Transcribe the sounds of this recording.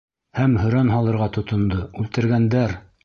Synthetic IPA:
hæmhɵ̆ɾænɦɑlˠɤ̆ɾʁɑt̪ŏt̪ŏnd̪ɤʉlt̪ɘ̆ɾɡænd̪æɾ

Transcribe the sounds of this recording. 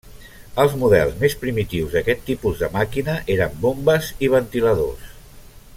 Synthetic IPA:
əlˠzmuðɛ̰lˠzmespɾimit̪iwzðəkɛt̪ːipuzðəmakinəʔeɾəmbombəziβ̞ənt̪iləðo̰s

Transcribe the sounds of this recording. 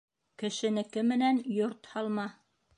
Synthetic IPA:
kɘ̆ʃɘ̆nɘ̆kɘmːɘ̆nænjoɾt̪hɑlˠmɑ

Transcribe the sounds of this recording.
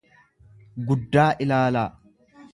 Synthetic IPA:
ɡʊd̪ːaːʔɪlaːlaː

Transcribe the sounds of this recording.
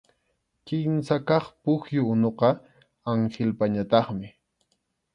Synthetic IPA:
kɪmsakɑχpʊxjʊʊnoqɑ | aŋχelpaɲat̪ɑχmɪ

